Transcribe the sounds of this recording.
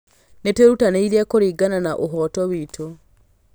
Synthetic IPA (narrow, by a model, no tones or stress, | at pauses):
neteɾutaneiɾiakoɾiːɡananaʔoɦɔːtɔwitʰo